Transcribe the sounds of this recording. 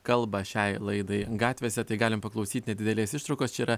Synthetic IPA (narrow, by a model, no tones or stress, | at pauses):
kɐlˠbɐʃʲɛɪlˠɐɪd̪ɐɪɡɑːt̪ʲʋʲeːsʲɛt̪ɐɪɡɑːlʲɪmpɐklˠɐʊsʲiːt̪ʲnʲɛd̪ʲɪd̪ʲɛlʲeːsɪʃt̪ɾɐʊkoːst͡ʃʲɛiːɾɐ